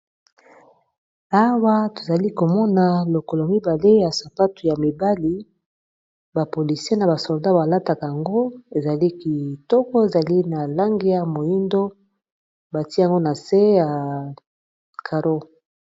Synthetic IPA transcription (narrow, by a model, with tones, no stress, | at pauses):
a˦wa˦to̥˨za˨li˦ko˨mɔ˦na˨lo˨ko˨lmi˦ba˨le˦ja˨sa˨pa˦tu˨ja˨mi˨ba˦li˨ | ba˨po˨li˨si˦e˦na˨ba˨sɔ˨lda˦ba˨la˦ta˨ka˨ja˨ŋɡo˦e˨za˨li˦ki˨tɔ˦kɔ˦e˨za˨li˦na˨la˦ŋɡi˦ja˨mo˨ji˦ndo˦ | ba˨ti˦a˨ŋɡo˦na˨se˦ja˨ | kʰa˨ɾo˦